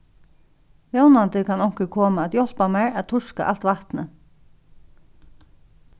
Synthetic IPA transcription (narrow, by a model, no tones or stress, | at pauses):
vjownant̪ɪkʰanɔwŋ̥kɪkʰɔːmaɛːt̪jɔl̥pamaɹaðt̪ʰʊʂka̰ʔa̰l̥t̪vaht̪nə